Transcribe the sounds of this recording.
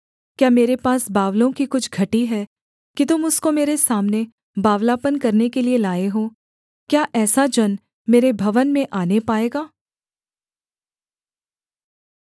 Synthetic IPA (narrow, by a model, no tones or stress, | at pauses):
kjaːmeːɾepaːsbaːʋlõkikʊt͡ʃʰɡʱɐʈiɦɛː | kit̪ʊmʊskomeːɾesaːmne | baːʋlaːpənkɐɾnekelielaːeɦoː | kjaːʔɛːsad͡ʒɐn | meːɾebʱɐʋənmẽʔaːnepaːeːɡaː